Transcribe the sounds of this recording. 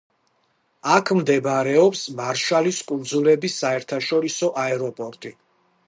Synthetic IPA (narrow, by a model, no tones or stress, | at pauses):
akʰmd̪ɛbɾɛɔpsmaɾʃaliskʼund̪zulɛbisːaɛɾt̪ʰaʃɔɾisɔʔaɛɾɔpʼɔɾt̪ʼi